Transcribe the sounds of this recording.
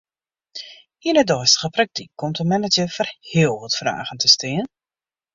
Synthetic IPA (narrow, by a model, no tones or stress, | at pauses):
iənədɔːstə̥ɣəprak̚tikʰːɔmtənmɛnəd͡ʒəfərhɪəlˠʋətfra̰ːɣəntʰəstiən